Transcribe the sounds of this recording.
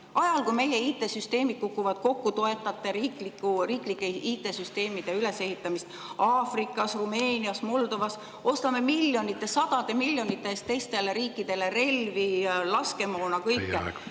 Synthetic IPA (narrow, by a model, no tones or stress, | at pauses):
ʔɑjɑlkujme̞je̞iːt̪ːˑe̞syst̪e̞ːmid̪̥̚kukːˑuvɑd̪̥̚ko̞kːut̪o̞e̞t̪ːˑɑt̪ːˑe̞ɾiːklikːuriːklikːˑeiːt̪ˑːe̞syst̪e̞ːmid̪̥e̞yle̞se̞hit̪ːˑɑmist̪ | ɑːfrikːˑɑsrume̞ːniɑsmo̞ld̪o̞vɑs | o̞st̪ɑme̞milʲːjo̞nit̪ːˑe̞sɑd̪̥ɑd̪̥e̞milʲːjo̞nit̪ːˑeest̪e̞jst̪e̞leɾiːkːˑid̪̥e̞le̞re̞lvilɑske̞moːnɑkɤjkːe